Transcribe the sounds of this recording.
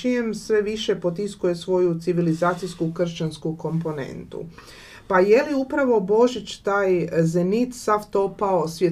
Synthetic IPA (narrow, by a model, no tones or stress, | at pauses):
ijemsʋe̞ʋiʃepo̞t̪iskuje̞sʋo̞jut̪siʋilizaːt̪sijskukr̩ʃt͡ɕanskuko̞mpo̞ne̞̰nt̪ṵ | paje̞liupɾaʋo̞bo̞ʒit͡ʃt̪aːjzenit̪saft̪o̞paosʋje